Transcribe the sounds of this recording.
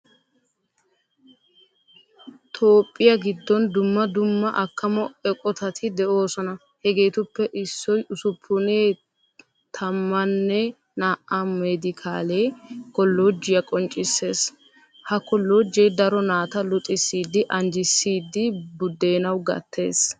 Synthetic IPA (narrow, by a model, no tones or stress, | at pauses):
t̪ʰo̞ːpʼːɪjɐɡɪd̪ːɔnd̪ʊmːɐd̪ʊmːɐʔɐkːɐmɔɛkʼɔt̪ɐt̪ʰɪd̪ɛʔo̞ːsɔnɐ | hɛɡe̞ːt̪ʊpːɛʔɪsːɔjʔʊsʊpʰːʊneː | t̪ʰɐmːɐnːɛ | naːʔamed̪ɪkʰaːleːkɔlːoːd͡ʒːɪjɐkʼɔnt͡ʃʼɪsːe̞ːs | hɐkɔlːoːd͡ʒːɛjd̪ɐɾɔnaːt̪ɐlʊt̪ʼːɪsːiːd̪ːɪʔɐnd͡ʒɪsːiːd̪ːɪbʊd̪ːe̞ːnɐwɡɐ̰t̪ʰːe̞̰ːs